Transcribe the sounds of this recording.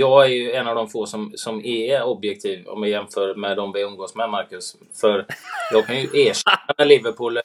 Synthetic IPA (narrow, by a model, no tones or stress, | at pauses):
jɑːɡæɾjɵɛnːɑvd̪ɔmfoːsɔmsɔmɛɔbjɛk̚t̪ʰiːvɔ̰mɛjɛmfœːɾmɛd̪ɔmvɛɵnɡoːsmɛmaɾkɵs | fœɾjɑːɡkʰanjɵʔeːʂɛamɛlivəɾpʰuːlː